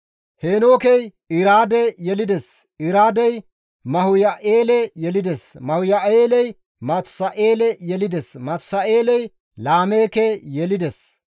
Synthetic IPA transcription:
heːno̞ːkɛj | ɪɾaːd̪ɛjɛlɪd̪ɛs | ɪɾaːd̪ɛj | mɐhʊjɐʔeːlɛjɛlɪd̪ɛsmɐhʊjɐeːlɛj | mɐt̪ʊ̥sɐʔeːlɛjɛlɪd̪ɛsmɐt̪ʊ̥sɐeːlɛj | laːme̞ːkɛjɛlɪd̪ɛs

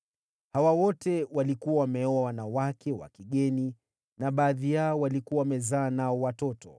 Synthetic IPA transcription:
hawawɔtɛwalikuwawamɛɔawanawakʰɛwa̰kiɠɛni | naɓaːðijaɔwalikuwawamɛzaːnaɔwatɔtɔ

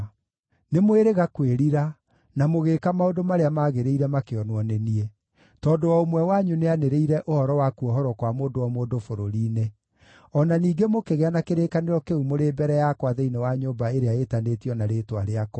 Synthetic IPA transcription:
nemoeɾeɣakweɾiɾa | namoɣekamaondomaɾeamaːɣeɾeiɾɛmakeɔnwɔneniɛ | tɔːndowaomwɛwaɲuneaneɾeiɾɛʔohɔɾɔwakuɔɦɔɾɔkwamoːdowɔmoːndofoɾoɾiːne | ɔnaniːɡemokeɣeanakeɾeːkaneɾɔkeumoɾeːbɛɾɛjakwaðeinewaɲoːmbaeɾeaetanetiɔnaɾeːtwaɾeakɔ

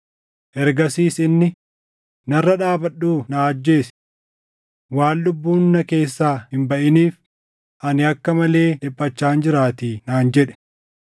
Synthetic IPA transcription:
ʔɛɾɡɐsiːsɪnːɪ | nɐrːɐᶑaːbɐɗuːnaːɐd͡ʒːe̞ːs | waːlːʊbːuːnːɐke̞ːsːaːhɪmbɐʔɪniːf | ʔɐnɪɐkːɐmɐle̞ːᶑɪpʼːɐt͡ʃːaːnd͡ʒɪɾaːt̪iːnaːnd͡ʒɛᶑɛ̥

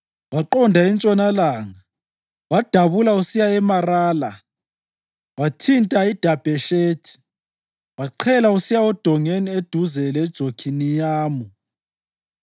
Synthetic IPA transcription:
βaǃɔndʱaint͡ʃʼɔnalaːŋa | wad̥ʱaβulausijaɛmaraːla | watʰintʼaid̥ʱab̥ʱɛʃeːtʰi̥ | βaǃʰɛlausijaɔd̥ʱɔŋenied̥ʱuzɛlɛd̥ʒ̥ʱokʰinijaːmu

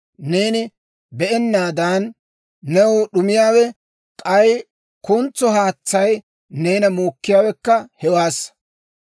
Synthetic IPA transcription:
ne̞ːnɪ | bɛʔɛnːaːd̪aːnː | ɛwʊɗʊmɪjaːwɛ | kʼɐj | kʊnt͡sːɔɦaːt͡sːɐj | ne̞ːnɐmoːkːɪjaːwɛkːɐhɛwaːs

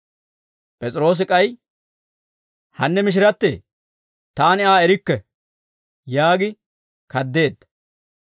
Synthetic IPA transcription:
pʼɛt͡sʼɪɾo̞ːs̬ɪkʼɐj | hɐnːɛmɪʃ̬ɪɾɐt̪ːḛː | t̪aːnɪaːɛɾɪkːɛ | jaːɡɪ | kɐd̪ːe̞ːd̪ːɐ

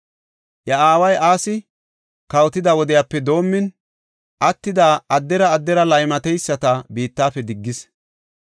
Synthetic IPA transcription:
jɐaːwɐjʔaːsɪ | kɐwt̪ɪd̪ɐwɔd̪ɪjapːɛd̪o̞ːmːɪn | ʔɐt̪ːɪd̪aːɐd̪ːɛɾɐːd̪ːɛɾɐlɐjmɐt̪ɛjsːɐt̪ɐbiːt̪ːaːfɛd̪ɪɡːɪs

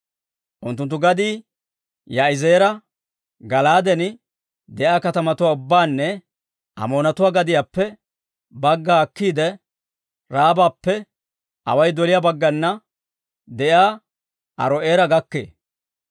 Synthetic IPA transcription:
ʔʊnt̪ːʊnt̪ːʊɡɐd̪iː | jaːɪzeːɾɐ | ɡɐlaːd̪ɛnɪ | d̪ɛʔjaːkɐt̪ɐmɐt̪ʊwaːʊbːaːnːɛ | ʔɐ̰mo̞ːnɐt̪ʊwaːɡɐd̪ɪjaːpːɛ | bɐɡːaːkːiːd̪ɛ | ɾaːbaːpːɛ | ɐ̰wɐjd̪ɔlɪjaːbɐɡːɐnːɐ | d̪ɛjaː | ʔɐ̰ɾɔʔeːɾɐɡɐkːḛː

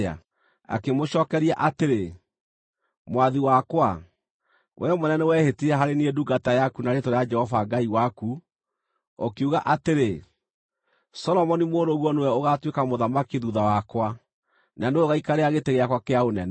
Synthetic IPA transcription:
a̰ | a̰kemoʃɔːkɛɾiaʔateɾe | mwaðiwakwa | wʔɛmonɛnɛwɛhetiɛɦaɾenieduɡatajakunaɾetoɾead͡ʒɛhɔvaɡaiwaku | okeuɣaʔateɾe | sɔlɔmɔnimoːɾoɣwɔnewɛoɣatwekamoðamakiðuðawakwa | naneoɣaikaɾeaɣeteɣeakwakeaonɛnɛ

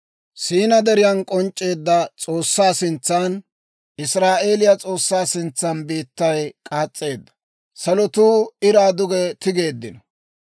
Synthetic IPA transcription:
siːnɐd̪ɛɾɪjɐnkʼɔnt͡ʃʼːe̞ːd̪ːɐt͡sʼo̞ːsːaːsɪnt͡sːan | ɪsɾaːʔe̞ːlɪjɐt͡sʼo̞ːsːaːsɪnt͡sːɐnbiːt̪ːɐjkʼaːt͡sʼːe̞ːd̪ːɐ̥ | sɐlɔt̪uːɪɾaːd̪ʊɡɛt̪ɪɡe̞ːd̪ːɪnɔ

